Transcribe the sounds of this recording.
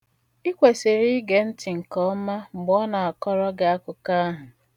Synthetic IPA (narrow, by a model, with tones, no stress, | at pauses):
i˦kʷe˨se˨ɾi˦ɡe˨n̩˦tɪ˨ŋ̩˨kɔ˦ma˦ŋ͡m̩˨ɡ͡bɔ˦na˨a˨kɔ˦ɾɔ˦ɡe˨a˦kʊ˨ka˦a˦ɦʊ˨